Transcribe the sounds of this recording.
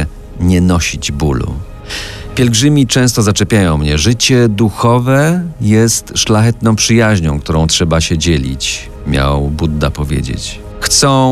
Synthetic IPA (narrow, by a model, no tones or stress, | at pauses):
ɲɛnɔɕid͡ʑbulṵ | pʲjɛlɡʐɘmʲit͡ʂɛ̃st̪ɔzat͡ʂɛpʲjajɔ̃w̃mɲɛʐɘt͡ɕɛd̪uxɔvɛjɛst̪ʂlaxɛt̪nɔ̃w̃pʂɘjaʑɲɔ̃w̃k̚t̪uɾɔ̃w̃tʂɛbaɕɛd͡ʑɛlʲḭt͡ɕ | mʲja̰wbud̪ːa̰pɔvʲjḛd͡ʑḛt͡ɕ | xt̪sɔ̃